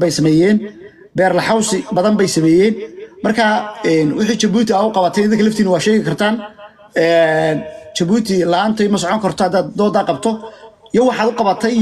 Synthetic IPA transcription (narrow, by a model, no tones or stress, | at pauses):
bɛjsɐmɛːjɛːn | bɛːrlɐħɑwsɪbɐðɐnbɛjsɐmɛːjɛːnmɐrkʰaːɛːnwɪħiːt͡ʃɐbuːt̪ʰɪaːʊqɑβɐt̪ʰɛnɪðɪŋkʰɐlɐft̪ʰiːnɐwɑːʃɛːɣɪkʰɐrt̪ʰaːn | ɛːnt͡ʃɐβuːt̪ʰɪlɐaːnt̪ʰɛjmɐs̬ɔʕɔŋkʰɐrt̪ʰɔhɐd̪aːd̪d̪ɔːd̪aːqɑb̚t̪ʰɔijɔwɑħɑːd̪ʊqɑβɐt̪ʰɛj